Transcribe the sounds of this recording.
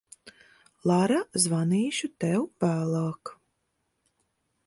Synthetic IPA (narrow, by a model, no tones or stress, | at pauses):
lˠaɾazvaniːʃut̪ɛwvæːlˠaːk